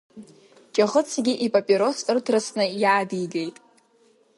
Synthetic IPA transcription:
t͡ʃʼaʁət͡sʰɡʲiʔipʼapʼiɾo̞sɨrtʰrɨsnɨjaːdijɡejtʼ

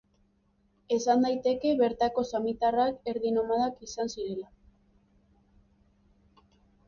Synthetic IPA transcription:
e̞sand̪ajt̪e̞ke̞βe̞ɾt̪ako̞samit̪arake̞ɾðino̞maðakisansiɾe̞la

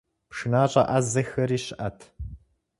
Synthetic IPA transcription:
pʂɨnaːɕʼɐʔɐzɐxɐɾiːɕɪʔɐtʰ

